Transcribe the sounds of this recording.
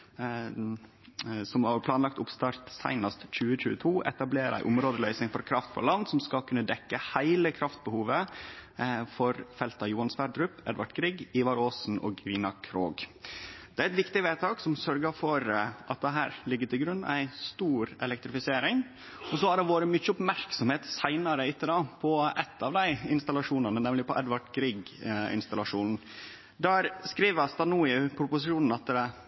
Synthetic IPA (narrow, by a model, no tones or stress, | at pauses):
sɔmɑpʰlɑːnlɑk̚t̪ʊpst̪ɑɾt̪sæ̰ɪnɑst̪c͡çʉːəc͡çʉ̰ːət̪ʰuːʔɛ̰t̪ɑbleːɾæ̰ɪʔʊmɾoːd̪əlœʏsnɪŋfɔɾkʰɾɑft̪fɔ̰ɭɑnsɔmskɑlkʰʉnːəd̪ɛkːəhæɪləkʰɾɑft̪̚bəhuːʋə | fɔɾfɛlt̪ɑjuːɑnsʋæɾd̪ɾʉpɛ̰d̪ʋɑʈkʰɾiːɡiːʋɑɾoːsn̩o̰ːɡʋiːnɑkʰɾo̰ːɡ | d̪̥ɛæɾɛt̪ʋɪkt̪ɪʋeːt̪ʰɑːksɔmsœɾɡəfɔɾʔɑt̪̚d̪ɛɦæ̰ːɾlɪɡːəʈ̪ʰɪlɡɾʉnːæ̰ɪst̪uːɾɛ̰lɛk̚t̪ɾɪfɪseːɾɪŋ | ɔs̬ɔæɖɛʋoːɾəmʏçəɔpmæɾksɔmheːt̪sæɪnɑɾəɪt̪ʰːəd̪ɑpʰɔɛt̪ʰːɑʋd̪æɪɪnst̪ɑlɑʂuːnɑnənɛmlɪpɔʔɛd̪ʋɑʈɡɾiːɡɪ̰nst̪ɑlɑʂuːnn̩ | d̪æːɾskɾiːʋəst̪ɑnuːɪpʰɾʊpʊsɪʃuːnn̩ɑt̪ɛ